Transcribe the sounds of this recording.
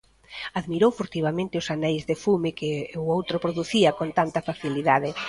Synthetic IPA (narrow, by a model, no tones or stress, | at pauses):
aðmiɾowfoɾt̪iβ̞amẽnt̪ɪʊsanɛjzðefumɪkɪʊowt̪ɾopɾoðuθiɐkont̪ant̪ɐfaθiliðaðɪ